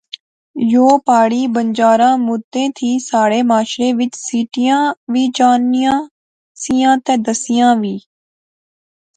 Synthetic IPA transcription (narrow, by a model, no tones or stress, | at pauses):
joːpaːɽiːbəɲd͡ʒaːɾãːmʊd̪ẽːt̪ʰiːsaːɽeːmaːʃɾeːʋɪt͡ʃsiːʈɪjãːʋiːd͡ʒaːnɪjãː | sɪjãːt̪ɛːd̪əsɪjãːʋiː